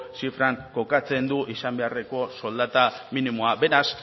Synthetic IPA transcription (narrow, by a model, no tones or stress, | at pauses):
sifɾaŋko̞kat͡se̞nd̪uʔisambe̞are̞ko̞so̞ld̪at̪aminimo̞abe̞ɾas